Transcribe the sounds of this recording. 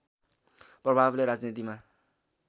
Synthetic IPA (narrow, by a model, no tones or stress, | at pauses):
prʌbʱableɾad͡znit̪ima